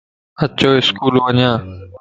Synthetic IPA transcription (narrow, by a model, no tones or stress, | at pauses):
ət͡ʃoːɪskuːlʋəɲjãː